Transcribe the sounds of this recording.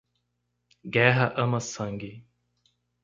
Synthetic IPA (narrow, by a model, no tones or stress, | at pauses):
ɡɛɦɐʔɐ̃mɐsɐ̃ŋɡɪ